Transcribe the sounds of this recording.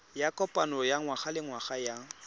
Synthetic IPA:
jakʼɔpʼanɔjaŋwaχalɪŋwaχaja

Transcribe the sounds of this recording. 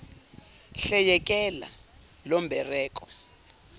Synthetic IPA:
ɬɛjɛk̬ʼɛla̰ | lɔmbʱɛrɛːk̬ʼɔ

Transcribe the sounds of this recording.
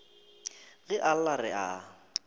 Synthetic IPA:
ɣɪʔal̩larɪ̰a

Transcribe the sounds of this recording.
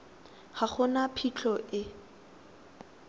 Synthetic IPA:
χaχʊnapʰit͡ɬʰʼɔʔɪ

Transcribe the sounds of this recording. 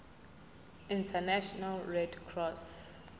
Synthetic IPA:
ĩntʰanaʃɔnalɹɛdkʰrɔs

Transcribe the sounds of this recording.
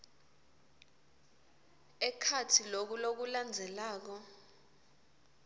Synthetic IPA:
ɛkʰatʰilok̬ulok̬uland͡zʱɛlaːk̬ɔ

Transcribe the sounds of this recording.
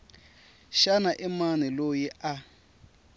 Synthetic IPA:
ʃanaʔɪmanɛlojia

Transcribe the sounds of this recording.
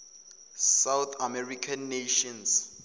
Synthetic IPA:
sawt̪ʰamɛrikʰanːeʃɔns

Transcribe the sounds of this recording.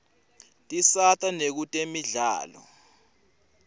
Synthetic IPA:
tʼisatʼanek̬utʼemiɮa̰ːlɔ̰

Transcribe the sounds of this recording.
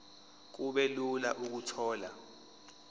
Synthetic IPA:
k̬uɓɛlulaʔuk̬utʰɔːla̰

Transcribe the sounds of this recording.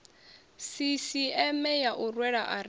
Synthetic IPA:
sisiɛmɛjaʔurwɛɺaʔa

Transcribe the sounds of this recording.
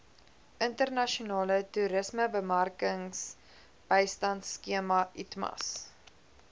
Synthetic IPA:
əntərnɐʃunɑːlətuɾəsməbəmɐrkəŋs | b̥ɛjstɐntskiəmɐitmɐ̰s

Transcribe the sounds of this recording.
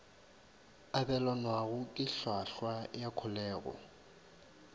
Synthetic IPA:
abɛlɔnwaɣʊkʼɪɬwaɬwajakʰʊlɛːɣɔ̰

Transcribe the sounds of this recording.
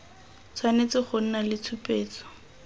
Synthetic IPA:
t͡sʰwanet͡sɪχʊn̩nalɪt͡sʰʊpʼeːt͡sɔ̥

